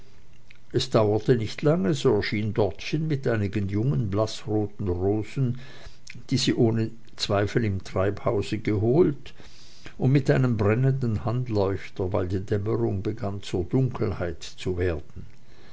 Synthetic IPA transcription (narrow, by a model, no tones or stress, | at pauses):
ʔɛsd̥aʊɐtənɪçtʰlaŋəzoːɛɐʃiːndɔɐtʃɪnmɪtʔaɪnɪɡənjʊŋənblasʁoːtn̩ʁoːzn̩ | d̥iːziːʔoːnə | t͡sv̥aɪfl̩ɪmtʁ̥aɪphaʊzəɡəɦoːlt | ʊndmɪtʔaɪnəmbʁɛnəndn̩hantlɔʏçtɐvaɪldiːdɛməʁʊŋbəɡant͡suːɐdʊŋkʰl̩haɪtt͡suveːɐd̥n̩